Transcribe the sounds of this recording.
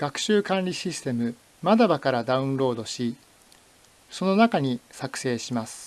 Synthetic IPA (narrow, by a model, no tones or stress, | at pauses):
ɡ̥akɯ̟̥ɕɨːkãnɾʲiɕisɨ̥t̪e̞mɯ̟ | mad̪abakaɾad̪aɯ̟̃nɾo̞ːd̪o̞ɕi | so̞no̞nakaɲ̟isakɯ̟̥se̞ːɕimasɨ̥